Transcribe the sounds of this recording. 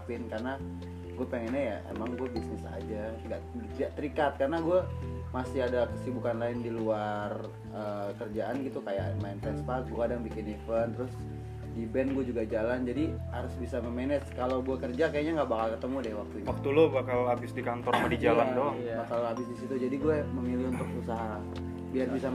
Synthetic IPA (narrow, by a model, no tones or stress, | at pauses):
pɪnkarna | ɡuapəŋɛnajaḛmaŋɡuabisnɪsa̰d͡ʒaŋɡa̰ʔ̪ | iaʔt̪əɾikat̪̚karnaɡuamasɪadakə̥sibukanlaɪndiluar | əːkərd͡ʒaʔanɡit̪ukaja̰ʔmaɪnt̪ɛnspak̚ɡuakadaŋbikɪnefənt̪əɾʊs | dibɛnɡuɛd͡ʒuɡad͡ʒaland͡ʒadiha̰ɾʊsbisaməmɛnɛskalawɡuakərd͡ʒakajaʔɲaŋɡaʔbakalkət̪əmudɛhwak̚t̪uɲawak̚t̪ulobakalabɪsdikant̪ɔɾamadid͡ʒalandɔijabakalabɪsdisit̪ud͡ʒadiɡuɛməmiliunt̪ʊkusaɦa | biarbisa